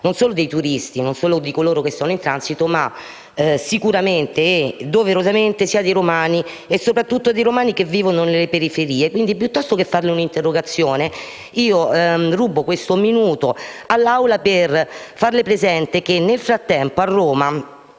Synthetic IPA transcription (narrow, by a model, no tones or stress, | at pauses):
nonsoːlod̪ejt̪uɾist̪inonsoːlod̪ikoloːɾokesːoːnoint̪ɾansit̪oma | sikuɾament̪ed̪oveɾozament̪esiːad̪ejɾomaːni | esːopɾat̪ːut̪ːod̪ejɾomaːnikevːiːvononelepeɾifeɾiːekwind̪ipjut̪ːɔst̪okefːarleunint̪erːoɡat̪sːjoːne | iːoruːbokwest̪ominuːt̪oalːawlaperfarlepɾezɛnt̪ek̟enːelfɾat̪ːɛmpoarːoːma